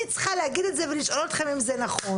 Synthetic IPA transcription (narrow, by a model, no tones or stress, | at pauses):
it͡sχaleaɡid̪etzeveliʃʔo̞lot̪χemimzenaχo